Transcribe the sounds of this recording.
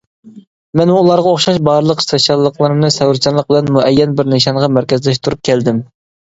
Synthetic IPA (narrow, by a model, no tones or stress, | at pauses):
mɛnmuːlˠɑɾʁɑoχʃɑʃbɑːɾɨlˠəqsoʃjɑlˠːəqlˠɨɾɨmnɨsɛwɾt͡ʃʰɑnlˠəq̚bɪlɛnmuʔɛjːɛnbɪɾnɪʃɑnʁɑmæɾkʲɛzlɛʃt̪ʰuɾup̚kʲʰɛld̪ɪm